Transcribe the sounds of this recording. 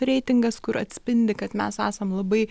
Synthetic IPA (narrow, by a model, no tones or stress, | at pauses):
ɾʲɛɪt̪ʲɪŋɡɐskʊɾɐ̰t̪ʲsʲpʲɪnʲd̪ʲɪkɐt̪mʲæsæ̰ːsɐmlˠɐbɐɪ